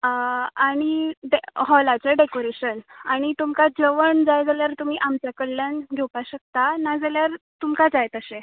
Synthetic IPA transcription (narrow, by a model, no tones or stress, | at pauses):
aɽ̃iɖeɦɔlat͡ɕaɖekoɾeɕənaɽ̃it̪umkad͡zəʋəɳd͡zajd͡zaljaɾt̪um̤iːʔamt͡ɕjakəlːjanɡʱewpaɕək̚t̪anad͡zaljaɾt̪umkad͡zajt̪əse